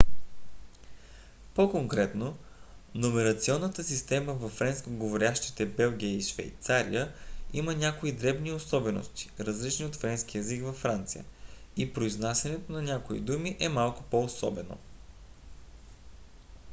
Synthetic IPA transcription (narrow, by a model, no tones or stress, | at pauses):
pokoŋkɾɛt̪no | nomɛɾɐt̪siɔnːət̪əsist̪ɛməvɐfɾɛnskoɡovoɾʲaʃt̪i̥t̪ɛbɛlˠɡ̟ʲiəiʃvɛ̰jt̪saɾḭjəimənʲakoid̪ɾɛbniosɔbɛno̰st̪i̥ɾəzlit͡ʃniot̪fɾɛnskiɛzikvɐfːɾant̪sijə̰ipɾoiznasjɐnɛt̪onɐnʲakoḭd̪umiʔɛmalˠkʊ̥poːsɔ̰bɛno̰